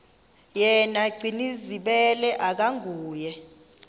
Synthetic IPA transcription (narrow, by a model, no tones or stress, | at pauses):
jɛnaɡ͡ǀʱiniziɓɛlɛʔak̬aŋuːjɛ